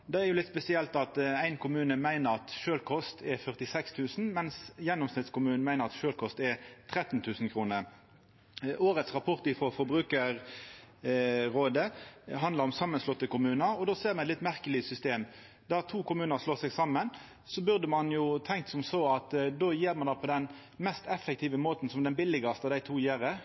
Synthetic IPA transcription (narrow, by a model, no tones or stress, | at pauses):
d̪ɛæʁjʊlɪt̪spɛsɪɛlt̪ɑt̪æɪnkʰʊmʉːnəmæɪnəɾɑt̪ʃøːlkʰɔst̪ʰɛʁfœʁt̪ɪsɛkst̪ʰʉːsn̩mɛnsjɛnːʊmsnɪt̪skʊmʉːnnmæɪnəʁɑt̪ʃøːlkʰɔst̪ɛʁt̪ʰʁɛt̪ːnt̪ʰʉːsn̩kʰʁuːnə | ʔoːɾət̪sʁɑpʰɔʁt̪ɪfɾɔfɔbʁʉːkəɾ | ʁoːd̪əɦɑnd̪əʁɔmsɑmːənslɔt̪ːəkʊmʉːnəɾɔd̪oːseːʁmɛnɛt̪lɪt̪mæʁkəlɪsʏst̪eːm | d̪æʁt̪ʰuːkʊmʉːnəʁʂloːsɛɡsɑmːən | sɔbʉʁd̪əmɑnjʊt̪ʰɛŋkt̪sɔmsɔɑt̪d̪oːjeːʁmɑnd̪ɑːpʰɔd̪ɛn | mɛst̪ɛfːɛk̚t̪ʰiːʋəmoːt̪n̩sɔmd̪ɛnbɪlɪɡɑst̪ɑd̪æɪt̪ʰuːjeːʁə